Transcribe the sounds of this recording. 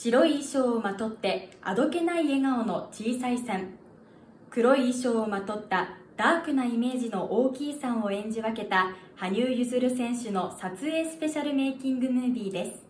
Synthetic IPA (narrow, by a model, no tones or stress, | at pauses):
ɕiɾo̞iːɕo̞ːmat̪o̞t̪ːe̞a̰d̪o̞ke̞naie̞ŋao̞no̞t͡ɕiːsaisãŋ | kɯ̟ɾo̞iːɕo̞ːmat̪o̞t̪ːad̪̥aːkɯ̟naime̞ːʑino̞ʔoːkʲiːsãɰ̃o̞ẽ̞ɲ̟d͡ʑiβake̞t̪ahaɲ̟ɨːjɯzɨɾɯ̟sẽ̞ɰ̃ɕɨno̞sat͡sɨe̞ːsɨ̥pe̞ɕaɾɯ̟me̞ːkʲĩŋɡɯ̟nɯ̟ːbʲiːd̪e̞sɨ̥